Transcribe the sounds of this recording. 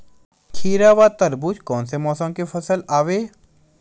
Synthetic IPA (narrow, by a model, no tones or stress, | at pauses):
kʰiːɾaːʋaːt̪əɾbut͡ʃkɔːnsemɔːsə̃mkefʰəsəlaːʋeː